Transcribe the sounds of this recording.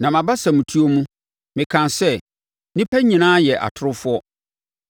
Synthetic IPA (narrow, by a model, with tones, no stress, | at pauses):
nã˨mã˨ba˦sa˨mũ˨tʰu˦o˦mũ˦ | mɪ̃˨kʰã˨nsɛ˦˨ | nĩ˦pʰɛ˦ɲĩ˨nãː˦jɛ˨ʔa̰˨tʰʊ˦ɾʊ˦fʊ˦ɔ˦